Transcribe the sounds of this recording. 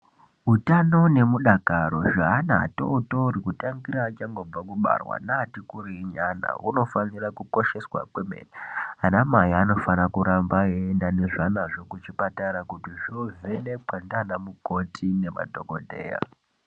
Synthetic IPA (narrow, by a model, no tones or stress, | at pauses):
ɦutano̞ne̞muɗakaɾo̞ʐaana̰ːto̰touɾikutaŋɡiɾaːt͡ʃaŋɡo̞b͡vakuɓa̰rwa̰naːtikuɾiɲana̰uno̞fanirakuko̞ʃe̞swa̰kwe̞mḛrianamajiano̞fanakuɾambaendane̞ʐanaʐo̞kut͡ʃipataɾakutiʐovenek͡pandanamuko̞tʰine̞ma̰dʱo̞kodʱe̞̰ːja̰